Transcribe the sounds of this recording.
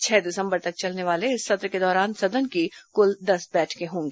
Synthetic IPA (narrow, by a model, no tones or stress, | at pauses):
t͡ʃʰɛːd̪ɪsə̃mbəɾt̪ɐk̚t͡ʃɐlneʋaːleɪsːɐt̪ɾəked̪ɔːɾaːnsɐd̪ənkikʊld̪ɐsbɛːʈʰkeɦõːŋɡeː